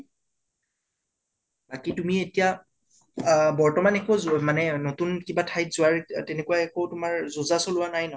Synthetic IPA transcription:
b̥akitumietija | bɔɹtɔmanɛkomanɛnotunkibatʰajtzʊwaɹtɛnekuwaɛkowtʊmaɹzuzasolʊwanajnɔ

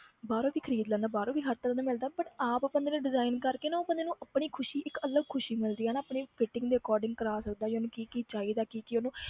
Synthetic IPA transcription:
baːɾõːbiːkʰəɾiːd̪lənaːbaːɾõːbiːɦəɾt̪ələnaːmɪld̪aːbəʈaːppənd̪eːnũːɖɪzaːɪnkəɾkeːnaːoːpənd̪eːnũːʔəpɳiːkʰʊʃiːʔɪkələɡ̚kʰʊʃiːmɪld̪iːaːnaəpɳeːpʰɪʈːɪ̃ŋɡd̪eːəkɔːɾɖɪ̃ŋɡkəɾaːsək̚d̪aːd͡ʒeoːnũːkiːkit͡ʃaːiːd̪aːkiːkionũː

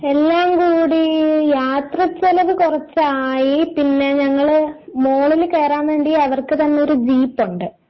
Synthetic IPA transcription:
e̞lːaːmkuːɽijaːt̪rɐt͡ɕːelɐʋɨkurɐt͡ɕːaːjipinːe̞ɲɐŋːɐɭmo̞ːɭilke̞ːraːmʋeːɳɖiɐʋɐrkɨt̪ɐnːeo̞ɾud͡ʑiːpːuɳɖɨ

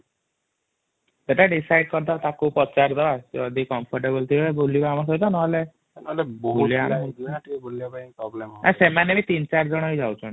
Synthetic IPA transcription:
seʈaɖisajɖkɔɾd̪at̪akupɔt͡ʃaɾd̪ɔbad͡ʒɔd̪ʱikɔmpʰɔɾʈebɔlt̪ʰiɔebolibaamak̬ɔit̪anɔɔle | nolebɔɦboliamod̪iʈiboliapapɾɔblemɔasemanebit̪int͡ʃaɾd͡ʒɔɽ̃ɦojd͡ʒawt͡ʃʰɔn

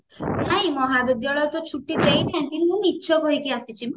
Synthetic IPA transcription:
naimɔɦabid̪jaɭɔjɔt̪ɔt͡ʃʰuʈːid̪ejt̪ʰɛ̃nt̪immũmitːʃʰɔbʱojkiasit͡ʃʰim

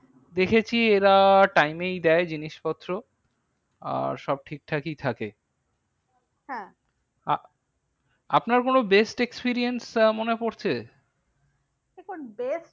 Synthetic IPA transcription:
d̪ekʰet͡ɕʰieɾaʈajmejd̪ɛed͡ʑiniʃpɔt̪ːɾo | a̰ɾʃɔb̚ʈʰik̚ʈʰakijt̪ʰake | ɦɛ̃ | a | a̰pnaɾkonobesʈekspiɾiensmonepoɾt͡ɕʰe | ekonbes

